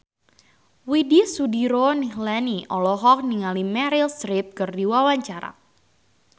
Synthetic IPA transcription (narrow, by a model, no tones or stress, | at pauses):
widisudiɾonihlaniʔɔlɔɦɔk̚niŋalimɛɾilst̪ɾɪp̚kɨrdiwawaɲt͡ʃaɾa̰